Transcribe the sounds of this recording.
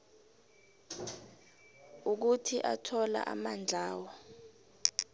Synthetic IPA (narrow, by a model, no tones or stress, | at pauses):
uk̬utʰiʔatʰɔla̰ʔamand͡ɮʱaːwɔ